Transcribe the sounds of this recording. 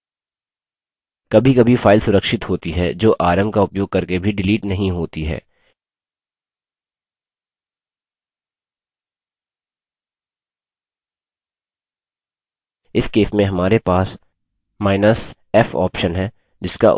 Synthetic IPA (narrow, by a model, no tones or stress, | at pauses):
kɐbʱikɐbʱifaːɪlsʊɾəkʃɪt̪ɦoːt̪iɦɛd͡ʒoːʔaːɾəmkaʊpjoːɡ̚kɐɾkebʱiɖɪliːʈnɐɦĩɦoːt̪iɦɛ̰ː | ɪskeːsmẽɦɐmaːɾepaːs | maːɪnəs | ɛːfɔ̰ːpʃənɦɛː | d͡ʒɪska̰